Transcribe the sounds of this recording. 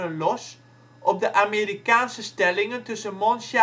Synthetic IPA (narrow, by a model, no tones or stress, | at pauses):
ənlɔs | ʔɔp̚dəʔameːɾikaːnsəstɛlɪŋəntɵsəmɔnsa